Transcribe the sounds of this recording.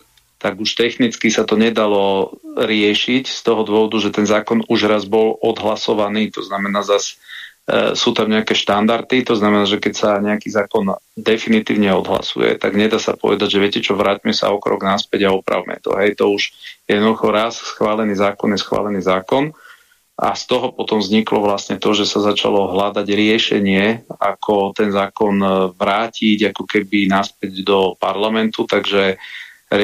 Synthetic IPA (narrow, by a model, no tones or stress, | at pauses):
t̪aɡuʃt̪ɛxnit͡skisat̪ɔɲɛd̪alɔɾɪɛʃicst̪ɔɦɔd̪ʊɔʋɔd̪uʒɛt̪ɛnzaːkɔnuʒɾazbɔlʔɔd̪ɦlasɔʋaniːt̪ɔznamɛnaːzas | suːt̪amɲɛakɛːʃt̪and̪aɾt̪it̪ɔznamɛnaːʒɛkɛcsaɲɛakiːzaːkɔnd̪ɛfinit̪ḭːʊɲɛɔd̪ɦla̰sṵjɛ̰t̪a̰ɡɲɛd̪aːsa̰pɔ̰ʋɛ̰d̪aɟʒɛʋɪɛcɛt͡ʃɔʋɾaːcmɛsa̰ɔkɾɔ̰ɡnaspɛɟaɔpɾa̰ʊmɛ̰t̪ɔ̰ɦɛjt̪ɔuʃjɛjɛd̪nɔd̪uxɔɾassxʋaːlɛniːzaːkɔnjɛsxʋa̰ːlɛniːzaːkɔn | ʔa̰st̪ɔɦɔpɔt̪ɔmvzɲiklɔʋlasɲɛt̪ɔʒɛsazat͡ʃa̰lɔɦlad̪aɟɾɪɛʃɛ̰ɲɪɛakʰɔt̪ɛnzaːkɔnʋɾaːciɟakɔkɛbinaspɛɟd̪ɔpaɾlamɛnt̪ut̪aɡʒɛ